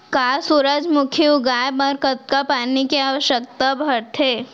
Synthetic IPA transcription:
kaːsuːɾəd͡ʒmʊkʰjiʊɡaːjbɐɾkət̪̚kapaːnikiaːʋəʃjək̚t̪abʱəɾt̪ʰeː

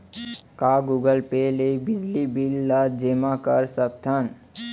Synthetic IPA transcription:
kaɡuɡəlpelebid͡ʒlibilːad͡ʒemakəɾsək̚t̪ʰən

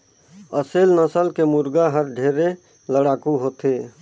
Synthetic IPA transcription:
əselnəsəlkemʊɾɡaɦəɾɖʱeɾe | ləɽaːkuɦot̪e

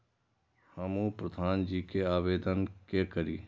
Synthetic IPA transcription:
hɐmopɾəd̪ʱaːnd͡ʒiːkeaːʋeːd̪ənkekəɾiː

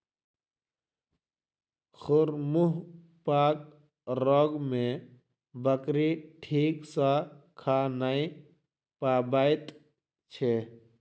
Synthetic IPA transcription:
xʊɾmuɦ | pak̚ | ɾɔːɡme | bəkɾiʈʰiːksã | kʰanai | pabajt̪ | t͡ʃʰe

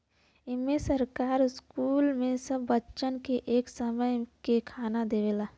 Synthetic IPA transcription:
ɪmesəɾkaːɾɪskuːlmẽsəbːətːʃənkeʔeːksəməjkekʰaːnad̪eʋelaː

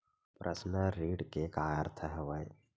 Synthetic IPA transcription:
pɾʔəsnəɾiːɽkekaːjəɾt̪ʰəɦəʋəj

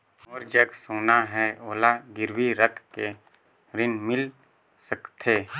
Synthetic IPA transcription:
oːɾd͡ʒəɡsoːnaɦɛoːlaɡɪɾwiɾəkʰke | ɾɪnmɪl | səkt̪ʰeː

